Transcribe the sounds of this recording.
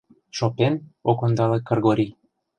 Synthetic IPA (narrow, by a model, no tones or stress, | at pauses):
ʃopenokond̪ɑlekːɤ̆rɣoɾʲi